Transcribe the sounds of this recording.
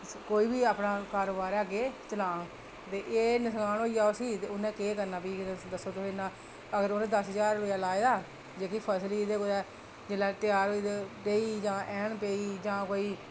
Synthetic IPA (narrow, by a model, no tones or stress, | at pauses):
koːiːbiːaːpnãːkaːɾoːbaːɾaːɡeːt͡ʃəlãː | t̪eːʔeːnəsɡaːnɦoːijaːosiːt̪eːʊnɛ̃ːkeːkəɾnaːpiːd̪əsːoːt̪ʊseːnãː | əɡəɾoːnẽːd̪əsd͡ʒaːɾojaːlaːeːd̪aː | d͡ʒeːkipʰəsliːd̪eːkʊɾɛː | d͡ʒeːlaːt̪ɪjaːɾid̪epeːiːd͡ʒãːʔɛ̃ːɳpeːiːd͡ʒãːkoːiː